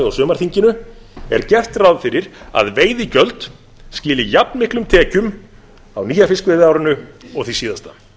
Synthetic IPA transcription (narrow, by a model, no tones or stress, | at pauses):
ðawsœːmaɾ̥θiɲcɪnʏɛɾcɛft̪rawðfɪɾɪɾa̰ðveːjðicœlt̪ | scɪːlɪjap̚nmɪhklʏmt̪ʰɛːcʏm | awniːjafɪskvɪðɪaːwɾɪnʏɔɣθisiːðast̪ḁ